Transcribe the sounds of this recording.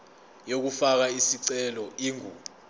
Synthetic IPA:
jok̬ufak̬aisiǀɛlɔiŋuː

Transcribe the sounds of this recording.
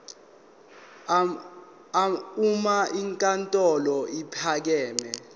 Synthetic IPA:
aumaʔiŋkʼantʼɔlɔipʰak̬ɛːmɛ

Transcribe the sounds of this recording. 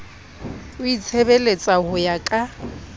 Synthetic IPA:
ʊit͡sʰebelet͡sʼahʊjakʼa

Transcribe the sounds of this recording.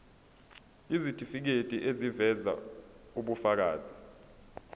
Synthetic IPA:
izitʰʼifik̬etʼiʔezivɛza̰uɓufak̬a̰ːzi

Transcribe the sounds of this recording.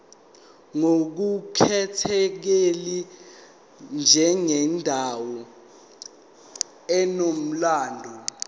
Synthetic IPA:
ŋok̬ukʰɛtʰɛk̬eli | nd͡ʒʱɛŋɛndʱawɔ | ɛnom̩laːndʱɔ

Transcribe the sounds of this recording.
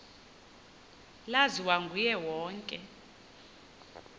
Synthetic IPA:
laziwaŋɡʱujɛwɔːŋkʼɛ

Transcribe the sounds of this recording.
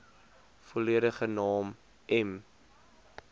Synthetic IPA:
foliəɾəχənɑːm | ɛm

